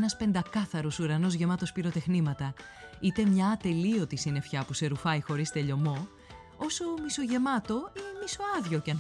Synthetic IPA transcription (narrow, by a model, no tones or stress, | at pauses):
nɐspe̞nd̪ɐkɐθɐɾosuɾɐno̞zʝe̞mɐt̪o̞spiɾo̞t̪e̞xnimɐt̪ɐ | it̪e̞mɲɐt̪e̞lio̞t̪isine̞fçɐpuse̞ɾufɐjxo̞ɾist̪e̞ʎo̞mo̞ | o̞so̞miso̞ʝe̞mɐt̪o̞imiso̞ɐðʝo̞cɐn